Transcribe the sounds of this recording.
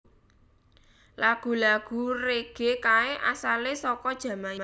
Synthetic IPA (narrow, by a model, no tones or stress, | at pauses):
laɡ̥ṳlaɡ̥ṳreɡ̥ekaeʔa̰salesɔkɔd̥ʒ̥ä̤ma